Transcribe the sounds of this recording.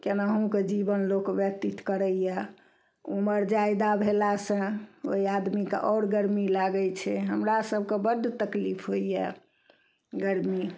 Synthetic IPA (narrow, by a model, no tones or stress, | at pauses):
kenaɦũked͡ʒibənlokbjət̪it̪kəɾəjjɛ | uməɾd͡ʒajd̪abʱelasə̃o̰iad̪mikḛʔɔɾɡəɾmilaɡət͡ʃʰɛɦəmɾasəb̚ʱkebəd̪ʱt̪əklipʰɦoijɛ̰ | ɡəɾmi